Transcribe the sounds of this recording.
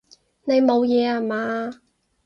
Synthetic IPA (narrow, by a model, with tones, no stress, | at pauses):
ne˨˧jmo˨˧wjɛː˨˧ha˨˩maː˨˧